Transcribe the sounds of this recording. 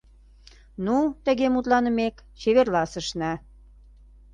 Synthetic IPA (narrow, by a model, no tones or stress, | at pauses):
nut̪ə̆ɣemut̪lɑnə̆mekt͡ɕeβerlɑsə̆ʃnæ